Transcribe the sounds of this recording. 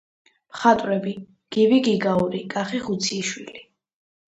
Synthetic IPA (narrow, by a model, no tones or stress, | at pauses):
mχat̪ʼwɾɛbi | ɡ̥iviɡiɡauɾikʼaχiχut̪sʰiːʃwili